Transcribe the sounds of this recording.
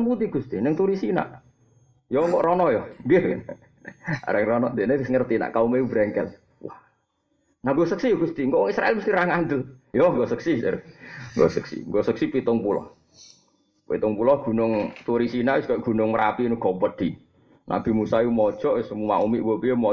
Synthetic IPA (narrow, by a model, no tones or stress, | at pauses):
nput̪ɪhɡ̥ust̪inəŋt̪uɾisina̰ʔ | jɔŋkɔʔɾɔnɔjɔŋɡe | a̰ɾɛŋrɔnɔd̪eneɪsŋərt̪ina̰ʔkaumejubɾɛŋkɛ̰l | wah | naɡosəksijɡ̥ust̪iŋkɔʔwɔŋisɾaɛlməst̪iɾaŋand̪əljɔŋɡɔsəksisḛɾŋɡo̰səksḭŋɡosəksipit̪ʊŋpulɔ̰h | pḭt̪ʊŋpulɔhɡ̥ṳnʊŋt̪uɾisinaʔwɪskajɔɡ̥ṳnʊŋməɾapiːnuɡ̥ɔpəd̪̥i | nʔa̰b̥i̤musajumɔd̥ʒ̥ɔʔwɪsmuma̰ʔumiʔwopijomɔ